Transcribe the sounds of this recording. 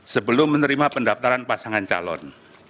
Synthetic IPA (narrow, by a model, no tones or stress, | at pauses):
səbəlʊmːənəɾimapəndaft̪aɾanpasaŋant͡ʃa̰lɔ̰n